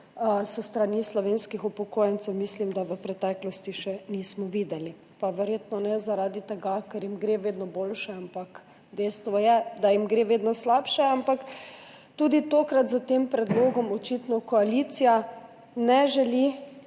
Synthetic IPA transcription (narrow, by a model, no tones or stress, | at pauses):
səst̪ɾanislɔʋeːnskixupɔkoːjɛnt̪sɛwmislimd̪aʋəpɾɛt̪ɛːklɔst̪iʃɛniːsmɔʋiːd̪ɛli | paʋɛɾjeːt̪nɔnɛzaɾaːd̪it̪ɛɡakɛɾjimɡɾeːʋeːd̪nɔboːlʃɛampak | d̪ɛjst̪ʋɔjɛd̪ajimɡɾeːʋeːd̪nɔslapʃɛampak | t̪ud̪it̪oːkɾat̪zat̪empɾɛd̪loːɡɔmɔt͡ʃit̪nɔkɔaliːt̪sija | nɛʒɛli